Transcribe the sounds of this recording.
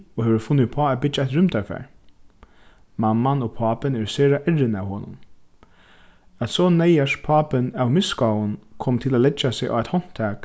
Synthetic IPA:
ɔheːʋəɾfʊnːɪpʰɔːæːt̪̚bɪd͡ʒaɛt̪ɹʏmt̪ʰæɹfæ̰ːɹ | mamːanɔpʰɑːpɪnɛɹseːɹaʔɛɹɪnæwɦoːnʊ̰n | æt̪sɔːnɛjaʂpʰɑːpɪnæwmɪskawʊnkʰɔːmt̪ʰɪlæːlɛt͡ʃːasɪʔa̰ːʋɛt̪hɔn̥t̪ʰæːk

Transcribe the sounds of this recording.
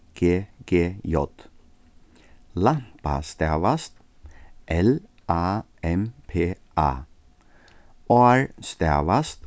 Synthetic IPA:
ɡ̥eːɡ̥eːjɔt̪ | lampa̰st̪ɛʋast̪ | ʔɛl | ɑ | ɛmpʰeː | ɑ̰ | oæɹst̪ɛʋast̪

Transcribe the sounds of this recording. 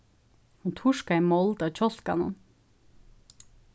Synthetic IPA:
hunt̪ʰʊʃkaimɔld̪ɑʋc͡çɔɬkɑ̰nə̰n

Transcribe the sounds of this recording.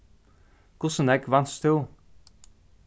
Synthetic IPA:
kʊsənɛkʋɑnst̪ʰuː

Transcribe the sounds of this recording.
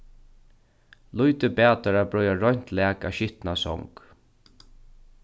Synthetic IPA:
lujt̪ɪpæːt̪aɾabɹɔjaɹɔɲ̥t̪læːkaʃɪht̪nasɔ̰wŋk

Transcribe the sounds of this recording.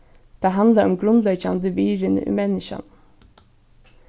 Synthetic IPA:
d̪̥eːɦɑnd̪ləɾɔmɡɾʉnlœʏçɑnd̪əʋiːɾənə̰ʔḭːmɛnɪʃɑ̰n

